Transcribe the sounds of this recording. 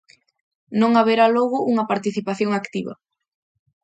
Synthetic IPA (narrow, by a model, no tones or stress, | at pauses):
nõŋaβeɾalɔɣʊʔuŋɐpaɾt̪iθipaθjoŋakt̪iβɐ̰